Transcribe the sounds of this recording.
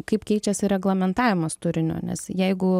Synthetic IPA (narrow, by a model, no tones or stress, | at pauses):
kɐɪpkʲɛɪt͡ʃʲɛsʲɪɾʲɛɡlˠɐmʲɛnt̪ɑːʋʲɪmɐst̪ʊɾʲɪnʲo̰ːnʲɛ̰sjɛɪɡʊ